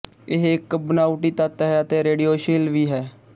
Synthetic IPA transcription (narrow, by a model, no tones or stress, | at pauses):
ɪɦɪkbənaːʊʈiːt̪aːt̪ːɦɛːət̪eːɾeːɖijoːʃeːlʋiːɦɛː